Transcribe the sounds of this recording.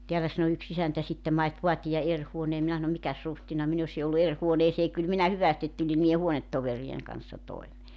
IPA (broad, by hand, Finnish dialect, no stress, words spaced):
teælæ sɑno yks isæntæ sitːem mɑit ʋoɑtijɑ er huoneː minæ sɑno mikæs ruhtinɑ min osi olːu er huoneːseː kyl minæ hyʋæstit tulʲi niːje huonetːoʋerieŋ kɑnsːɑ toimeː